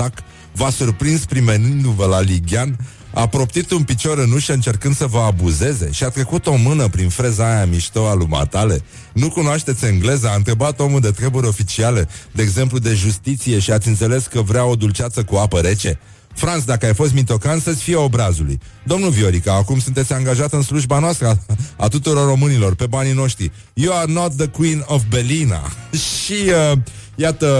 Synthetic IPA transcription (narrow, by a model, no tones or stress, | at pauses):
ak | vasurpɾinspɾime̞nɨnd̪uvəlaliɡʲan | a̰pɾo̞pt̪it̪unpit͡ʃo̞ɾɨnuʃəɨnt͡ʃe̞rkɨnd̪səvəabuze̞ze̞̰ʃiat̪ɾekut̪o̞mɨnəpɾinfɾe̞zajamiʃt̪oaluma̰t̪ale̞ | nukunoaʃt̪e̞t̪sʲeŋɡle̞zəaɨnt̪ɾe̞bat̪o̞muld̪e̞t̪ɾe̞buɾʲo̞fit͡ʃialed̪e̞ːɡze̞mplud̪e̞ʒust̪it̪sije̞ʃiat̪sʲɨnt̪se̞le̞skəvɾeao̞d̪ult͡ʃat̪səkuapəɾe̞t͡ʃe̞ | fɾant̪s̬d̪akəajfo̞s̬t̪mit̪o̞kant̪sət̪sʲfijeo̞bɾazulṵj | d̪o̞mnuvio̞ɾikaːkumsunt̪esʲaŋɡaʒat̪ɨnsluʒbanoast̪ɾəa̰t̪ut̪uɾo̞rːo̞mɨnilo̞rpe̞banino̞ʃt̪ɾi | juarnot̪̚ðəkwinovbelina̰iəjat̪ə